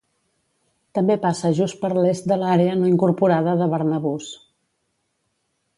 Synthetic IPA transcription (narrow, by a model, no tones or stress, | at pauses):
t̪əmbepasəʒust̪̚pəɾlest̪̚d̪əlaɾeənoiŋkuɾpuɾaðəðəβəɾnəβus